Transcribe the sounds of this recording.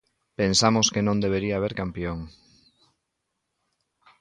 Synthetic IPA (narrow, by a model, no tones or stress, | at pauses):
pensamʊskenõnd̪eβ̞eɾiaːβ̞eɾkampjoŋ